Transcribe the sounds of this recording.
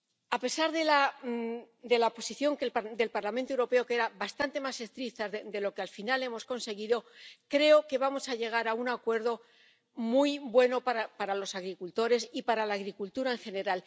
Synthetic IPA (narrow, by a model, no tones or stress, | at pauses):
ape̞saɾðe̞la | d̪e̞laopo̞siθjo̞ŋkeld̪e̞lpaɾlament̪oewɾo̞pe̞o̞keɾabast̪ant̪e̞mase̞st̪ɾit̪aed̪e̞lo̞kealfinale̞mo̞sko̞nse̞ɣ̞iðo̞kɾe̞o̞ke̞βamo̞saʝe̞ɣ̞aɾaunakwe̞ɾðo̞ | mujbwe̞no̞paɾapaɾalo̞saɣɾikult̪o̞ɾe̞sipaɾalaːɣɾikult̪uɾaeŋxe̞ne̞ɾal